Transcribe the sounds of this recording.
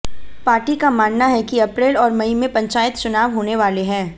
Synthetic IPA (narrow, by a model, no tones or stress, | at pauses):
paːɾʈikamaːnnaɦɛkiɐpɾeːlɔːɾmɐimẽpɐ̃ɲt͡ʃaːjət̪̚t͡ʃʊnaːʋɦoːneʋaːleɦɛ̃ː